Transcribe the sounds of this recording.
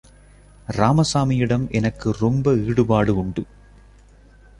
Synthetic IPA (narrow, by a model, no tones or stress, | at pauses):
ɾaːmɐsaːmɪjɪɽɐmʔɛnɐkːɯɾɔmbɐiːɽɯbaːɽɯʊɳɖɯ